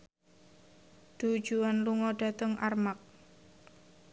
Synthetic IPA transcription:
d̪̥ud̥d͡ʒuanluŋɔɖ̥a̤t̪əŋʔarmak̚

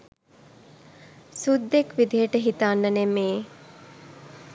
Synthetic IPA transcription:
sud̪ːekʋid̪ʱiɦəʈəɦit̪anːənemeː

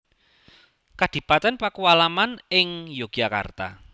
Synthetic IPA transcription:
kad̪̥i̤pat̪ɛnpakuwalamanɪŋjoɡ̥aka̰rt̪a̰

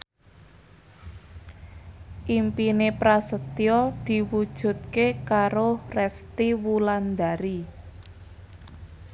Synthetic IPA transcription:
ʔimpinepɾasət̪jɔd̪̥i̤wud̥ʒ̥ṳt̪̚kekaɾorɛst̪iwuland̪aɾi

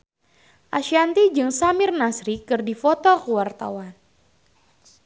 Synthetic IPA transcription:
ʔaʃiant̪id͡ʒɨŋsamɪrnasɾikɨrdifɔt̪ɔkəwart̪a̰wan

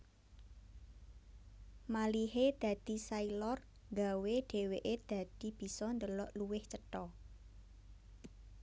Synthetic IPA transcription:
maliɦed̪̥ä̤d̪̥i̤sailɔr | ŋɡaweɖ̪̥e̤weʔed̪̥a̤d̪̥i̤b̥i̤sɔnd̪əlɔʔluwɪht͡ʃəʈɔ

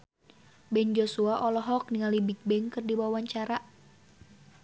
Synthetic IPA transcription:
bɛnd͡ʒosuaʔɔlɔɦɔk̚niŋalibik̚bɛŋkɨrdibawaɲt͡ʃaɾa

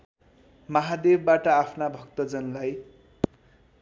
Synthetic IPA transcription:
mʌɦad̪ebbaʈʌapʰnabʱʌɡt̪ʌd͡zʌnlaj

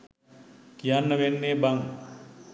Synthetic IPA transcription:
kijanːəʋenːeːbaŋ

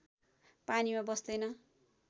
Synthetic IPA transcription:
panimabʌsd̪ʌjnʌ

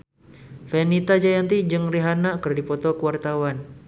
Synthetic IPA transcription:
fɛnit̪ad͡ʒajant̪id͡ʒɨŋriɦanakɨrdipɔt̪ɔkəwart̪awan

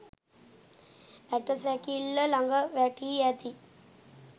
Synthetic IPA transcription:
æʈəsɛkilːəlaŋɡəʋæʈiæt̪i

